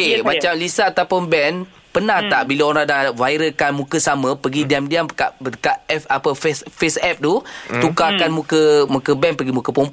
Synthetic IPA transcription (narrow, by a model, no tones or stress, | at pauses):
kemat͡ʃamlisat̪apʊnbɛn | pənaht̪aʔbilaoɾãdavajɾəkanmũkəsamə̃pəɡidiamdiamkaʔəkaʔɛfapəfsfesɛp̚t̪ut̪ukakanmũkəmũkəbɛnpəɡimũkəpom